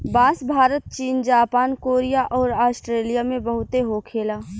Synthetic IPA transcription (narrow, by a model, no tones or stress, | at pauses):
baːsbʱaːɾət̪̚t͡ʃiːnd͡ʒaːpaːnkoːɾijaʔɔːɾaːsʈɾeːlijamẽbəɦʊt̪eɦoːkʰeːlaː